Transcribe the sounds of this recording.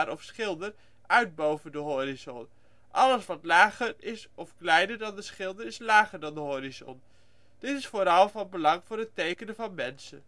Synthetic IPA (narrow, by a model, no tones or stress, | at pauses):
ɾʔɔfsχɪlˠdər | ʔœɥd̚bowvəndəɦoɾizɔn | ʔɑləsʋɑtlaːχəɹɪsɔfklɛjnəɹdɑndəsχɪlˠdəɹɪslaːχəɹdɑndəɦoɾizɔ̰n | d̥ɪtɪsfoːɾɑlˠvɑnbəlɑŋv̥ʊːɹɦətejkənəvɑnmɛnsə̰